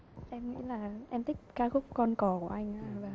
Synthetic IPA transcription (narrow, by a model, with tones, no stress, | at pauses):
ʔɛ˧mŋḭ˧˥laː˨˩ʔɛ˧mt̪ʰï˦˥k̚kaː˦˧˥k̚xʊ˦˥k͡p̚kɔ˧nkɔ˨˧˩ku˧˩əʔa˧jŋ̟ʔaː˧vaː˨˩